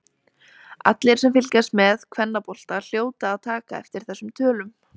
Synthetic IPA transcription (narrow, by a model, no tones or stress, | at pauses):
a̰t̪lɪɾ̥sɛmfɪlcast̪mɛðkʰvɛnːapɔl̥t̪al̥joːwt̪aːðt̪ʰaːkaɛft̪ɪɾ̥θɛsːʏmt̪ʰœːlʏm